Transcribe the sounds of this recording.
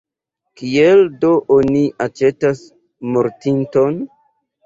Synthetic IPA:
kieldoʔoniʔat͡ʃe̞tas | moɾtinton

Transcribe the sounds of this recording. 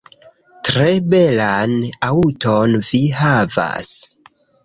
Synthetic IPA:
tɾe̞be̞lanautonviɦava̰s

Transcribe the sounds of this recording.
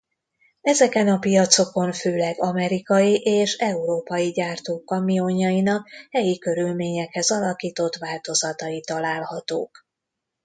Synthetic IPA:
ɛzɛkɛnɒpijɒt̪so̞ko̞ɱføːlɛɡɒmɛɾikɒjiʔeːʃɛuɾoːpɒjiɟaːrt̪oːkːɒmijoɲːɒjinɒkhɛjikø̞ɾylmeːɲɛkhɛzɒlɒkiːt̪o̞t̪ʋaːlt̪o̞zɒt̪ɒjit̪ɒlaːlhɒt̪o̰ːk

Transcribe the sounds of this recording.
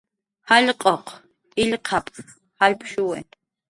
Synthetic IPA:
haʎqʼɔqʰ | ilqʰapʼ | halpʰʃuwɛ̰n

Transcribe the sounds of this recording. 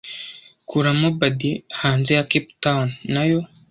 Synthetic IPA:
kʰuɾamobadihaːnzejakiptawnːajo

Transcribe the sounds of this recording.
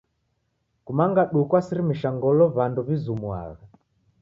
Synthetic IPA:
kumaŋɡaɗukwasiɾimiʃaŋɡɔlɔβanduβizumua̰ɣa

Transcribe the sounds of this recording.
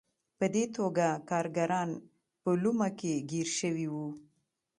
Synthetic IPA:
pəd̪et̪ʰoɡakɑɾɡaɾɑn | pəlumakeɡiɾʃəwiwu

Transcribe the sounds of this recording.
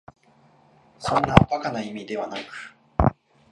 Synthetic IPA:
sõ̞nːaak̪akanaimʲid̪e̞βanakɯ̟̥

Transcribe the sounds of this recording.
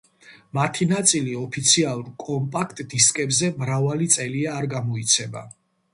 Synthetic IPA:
mat̪ʰinat̪sʼiliɔpʰit̪sʰialˠuɾkʼɔmpʼakʰt̪ʼd̪iskʼɛbzɛmɾavalit̪sʼɛliaːɾɡamɔit̪sʰɛba̰

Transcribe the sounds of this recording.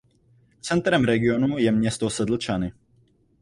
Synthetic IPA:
t͡sɛnt̪ɾɛmɾɛɡionujɛmɲɛst̪ɔsɛd̪l̩t͡ʃanɪ

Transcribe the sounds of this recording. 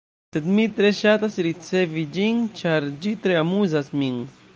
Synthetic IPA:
t̪et̪mit̪ɾeʃat̪asiɾit͡sevid͡ʒiŋt͡ʃaɾd͡ʒit̪ɾeamuzasmiŋ

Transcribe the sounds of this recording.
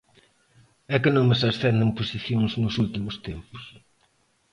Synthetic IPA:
ɛkɨnõŋməsɐsθɛnd̪ɐŋpusiθjõŋznʊsult̪imʊst̪empʊ̥s

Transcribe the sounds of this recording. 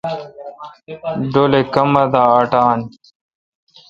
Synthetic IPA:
ɖolekɐmɐd̪aːɐʈaːn

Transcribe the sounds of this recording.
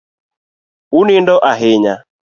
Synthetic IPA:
unindɔʔaɦɪɲa

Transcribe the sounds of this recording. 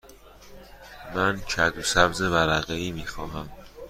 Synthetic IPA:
mæncʰæd̪usæbzevæɾæɣeiːmiːxɒːɦæm

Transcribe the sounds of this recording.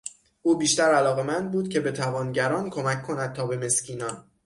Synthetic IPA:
ʔuːbiːʃt̪æɾælɒːɣe̞mænd̪̚buːd̪cʰe̞be̞t̪ʰævɒːnɟæɾɒːnkʰo̞mæcʰːo̞næd̪̚t̪ʰɒːbe̞me̞scʰiːnɒːn

